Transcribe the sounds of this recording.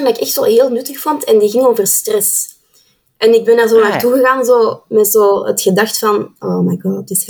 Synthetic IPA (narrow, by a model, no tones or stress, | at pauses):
ndɑɪkɛxtsoːɦeːlˠnʏtəxfɔntɛndiɣɪŋoːvərstrɛs | ʔɛnɪɡ̚bɛndaːrzoːnaːrtuɣəɣaːnzoːmɛtzoːə̰txədɑxtfɑnʔoːmajɡɑdɔdɪs